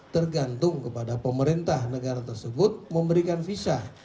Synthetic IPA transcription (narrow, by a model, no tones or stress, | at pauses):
t̪ərɡant̪ʊŋkəpadapəməɾint̪ahnəɡaɾat̪ərsəbʊt̪̚məmbəɾikanfisa